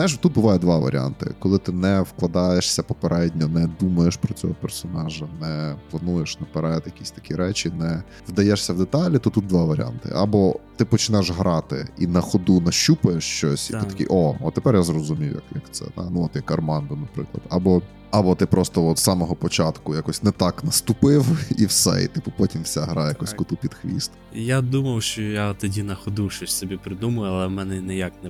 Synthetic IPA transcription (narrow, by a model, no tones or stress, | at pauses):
ajɪʃ̬t̪ut̪bʊʋɑjʊd̪ʋɑʋɐ̰ɾ̰ʲɑ̰nt̪ɪ̰kɔlˠɪt̪ɪnɛwklˠɐd̪ɑjeʃsʲɐpɔpeɾʔɛdʲnʲɔnɛd̪umɐjeʃpɾɔt͡sʲɔ̰ɦɔpɛrsɔnɑʒɐnɛplˠɐnujeʃnɛpeɾɛjɛt̪jɐkʲisʲt̪ɐ̥kʲiɾɛt͡ʃinɛ | ʋd̪ɐjɛʃsʲɐwd̪et̪ɑlʲit̪ɔt̪ut̪̚d̪ʋɑʋɐɾ̰ʲa̰nt̪ɪ̰ʔɐbɔt̪ɪpɔt͡ʃɪnɛʒɦɾɑt̪ɪ̰inɐxɔd̪unɐʃt͡ʃupɐjeʃt͡ʃɔsʲḭt̪ɪt̪ɐkʲɪ̰ʔɔɔ̰t̪epɛrjazrɔzʊmʲijʊjɐ̰kjɐ̰kt̪sɛ̰d̪a̰nuɔt̪jɐkɐrmɑnd̪ʊnɐpɾɪ̰klˠɐ̰d̪ɐbɔ | ɐbɔt̪ɪpɾʔɔst̪ɔɔt̪sɑmɔɦɔpɔt͡ʃɑt̪kʊjakɔsʲnɛt̪ɑknɐst̪ʊpɪwiwsɛ̰ḭt̪ɪpʊpɔtʲimwsʲaɦɾɑjɐkɔsʲkʊt̪upʲid̪xʋʲḭst̪ɐjad̪umɐwʃt͡ʃɔjat̪ɔdʲinɐxɔd̪uʃɔsʲsɔbʲipɾɪd̪umɐjʊɐlˠɛmɛnɛnɪjaknɛ